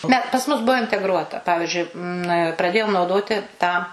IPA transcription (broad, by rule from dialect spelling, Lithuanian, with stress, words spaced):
ˈnʲɛ pɐs ˈmʊs ˈbuɔ ɪnʲtʲɛɡˈruɔtɐ ˈpɑːʋʲɪʒʲʊɪ nɐ prɐˈdʲeːjoːm nɐʊˈdoːtʲɪ tɑː